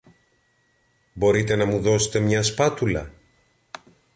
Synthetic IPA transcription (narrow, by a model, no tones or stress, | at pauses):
bo̞ɾit̪e̞nɐmuðo̞se̥t̪e̞mɲɐspɐt̪ulɐ̰